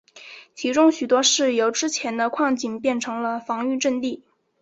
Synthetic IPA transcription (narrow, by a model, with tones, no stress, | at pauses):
t͡ɕʰi˧˥ʈ͡ʂʊ˥ŋɕy˨˩t̪wɔ˥ʂɻ̩˥˩jo˧˥ʊʈ͡ʂɻ̩˥t͡ɕʰjɛ˧˥nd̪ə˧kʰwɑ˥˧˩ŋt͡ɕi˨˥˩npjɛ˥˩nʈ͡ʂʰɤ˧˥ŋlə˧fɑ˧˥ŋy˥˧ʈ͡ʂə˥˧nt̪i˥˩